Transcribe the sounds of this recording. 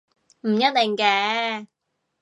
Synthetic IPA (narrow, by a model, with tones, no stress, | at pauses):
m̩˨˩ɲə˦˥t̚t̪ɪ˨˩ŋkɛː˧˥